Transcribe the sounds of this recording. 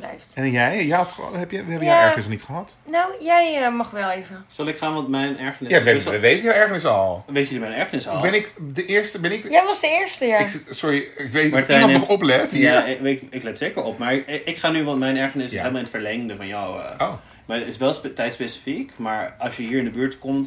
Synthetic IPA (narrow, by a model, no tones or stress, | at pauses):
b̥lɛ̰jftjɛjjatɦɛpjʋɛbəjaɛɹənɪsnitχəɦɑt | nowjɛjəmɑχʋɛlˠevəsɑlˠɪkχaːnʋɔtmɛjnɛɹχənɪjasəʋejtəjawɛɹχənɪsɔlˠʋejtədəmɛnɛɹχənɪsɔlˠbɛnɪkdəʔɪːɹstəbɛnɪkjaʋɑsdəɪːɹstəjaɪksʊɹiɪkʋematɛntɔplɛtjaʋeɪklɛtseːkəɹɔpmaːɹɪkχaːnyʋɑntmɛjnɛɹχənɪsɪɛləmlˠɪnətfəɹlɛŋndəfɑnjɔw̰o | maɪsʋɛlˠstɛjtspesi̥fikmaːɹɑlˠsjəɦiːɹɪndəbyːɹtkɔmt